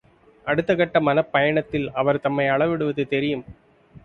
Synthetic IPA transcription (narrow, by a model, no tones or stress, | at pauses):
ʔɐɽɯt̪ːɐɣɐʈːɐmɐnɐpːɐjɐɳɐt̪ːɪlɐʋɐɾt̪ɐmːɐɪɐɭɐʋɪɽɯʋɐðɯt̪ɛɾɪjɯm